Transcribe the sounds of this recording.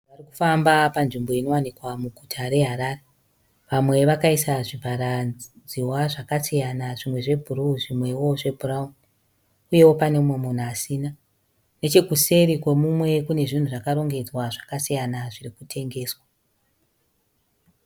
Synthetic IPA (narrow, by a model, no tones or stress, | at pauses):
ʋariku̥fambapanʐimbo̞ino̞wanikwamuɡʱutʰaɾe̞ɦaɾare | ʋamwe̞ʋakaisaʐibʱaɾa | d͡ziwaʐakasijanaʐimwe̞ʐe̞bʱuruʐimwe̞wo̞ʐe̞bʱuraun | uje̞wo̞pane̞mwomun̤asiːna | ne̞t͡ʃe̞kuse̞ɾikwemumwe̞kune̞ʐin̤uʐakaɾo̞ŋɡe̞d͡zwaʐakasijanaʐirikutʰe̞ŋɡe̞ːswa